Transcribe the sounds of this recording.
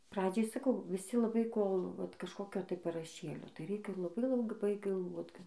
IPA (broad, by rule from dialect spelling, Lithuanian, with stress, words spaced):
ˈprɑːd͡ʒʲɛɪ sɐˈkɐʊ ʋʲɪˈsʲɪ lˠɐˈbɐɪ ˈkoːlˠ ʋɐt kɐʃˈkoːkʲoː tɐɪ pɐrɐˈʃʲeːlʲoː tɐɪ ˈrʲɛɪkʲɛ lˠɐˈbɐɪ lˠɐˈbɐɪ ɡɐlˠˈʋoːt